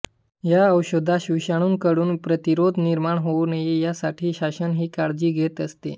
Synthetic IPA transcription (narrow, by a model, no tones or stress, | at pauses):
jaəwɕod̪ʱaɕiɕaɽ̃uːnkəɽuːnpɾət̪iɾod̪ʱniɾmaɳɦonəjijasaʈʰiːɕaɕənɦiːkaɽd͡ʑiːɡʱet̪əst̪ḛ